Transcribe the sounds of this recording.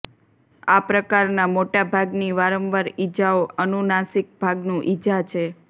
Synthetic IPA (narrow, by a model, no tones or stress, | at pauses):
apɾəkaɾnamoʈabʱaɡniʋaɾəmʋaɾid͡ʒaoənunasik̚bʱaɡnũʔid͡ʒat͡ʃʰe